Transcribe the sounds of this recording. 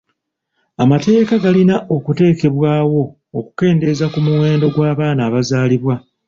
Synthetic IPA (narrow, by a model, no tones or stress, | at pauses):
amate̞ːkaɡalinaʔo̞kute̞ːke̞βwaːwo̞ː | ku̥ke̞ːnde̞zakumuwe̞ːndo̞ɡwaːβaːnaːβazaːliβwa